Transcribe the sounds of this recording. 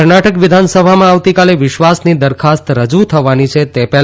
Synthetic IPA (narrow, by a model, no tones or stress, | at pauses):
ɾnaʈəkʋɪd̪ʱansəbʱamãaʋt̪ikaleʋɪʃʋasnid̪əɾkʰast̪ɾəd͡ʒut̪ʰəʋanit͡ʃʰet̪epɛɦ